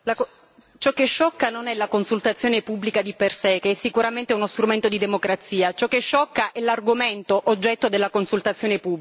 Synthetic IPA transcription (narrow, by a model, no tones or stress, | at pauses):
lak | t͡ʃɔkːeʃːɔkːanonɛlakonsult̪at̪sːjoːnepubːlikad̪ipersekeɛsːikuɾament̪eunost̪ɾument̪od̪id̪emokɾat̪sːiːat͡ʃɔkːeʃːɔkːaʔɛlarɡoment̪oʔod͡ʒːɛt̪ːod̪elːakonsult̪at̪sjoːnepubː